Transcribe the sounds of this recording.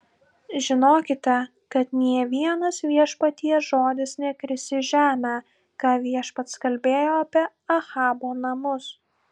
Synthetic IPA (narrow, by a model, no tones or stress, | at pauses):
ʒʲɪnoːkʲɪt̪ʲɛ | kɐt̪nʲiɛʋʲiɛnɐsʋʲiɛʃpɐt̪ʲiɛsʒoːd̪ʲɪsnʲɛpʲɾʲɪsʲɪʒʲæːmʲæ | kɑːʋʲiɛʃpɐt̪skɐlʲbʲeːjoːɐpʲiɛ | ɐxɑːboːnɐmʊs